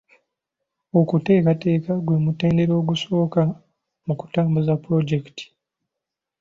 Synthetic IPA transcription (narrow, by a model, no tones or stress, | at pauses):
okute̞ːkate̞ːkaɡwe̞mute̞ːnde̞ɾo̞ːɡuso̞ːka | muku̥taːmbuzapuɾo̞ɟekiti̥